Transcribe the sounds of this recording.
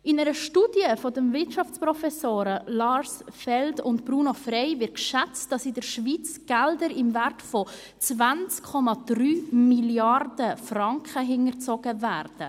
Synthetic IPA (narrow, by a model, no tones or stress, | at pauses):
ɪnɛɾəʃtuːd̥jəfɔdəmvɪtʃɑft͡sprɔfɛsoːɾəlɑɾsfɛldʊntb̥ɾuːnofrɛɪvɪtkʃɛt͡std̥ɑsɪdəɾʃviːt͡sɡ̥ɛldəɾɪmvæɾtfɔ | t͡svant͡skʰːɔmɑd̥ryːmiljɑrdəfrɑŋkχəɦɪŋəɾt͡sɔɡ̥əvæːrd̥ə